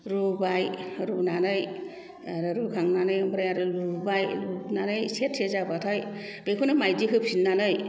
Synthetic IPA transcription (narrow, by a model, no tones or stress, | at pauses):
ɾubajɾubnanɯj | aɾɯɾukʰaŋnanɯjmbɾajaɾɯlubajlubnanɯjsetʰsezabatʰaj | bekʰɯnɯmajdikʰɯp̚sinːanɯj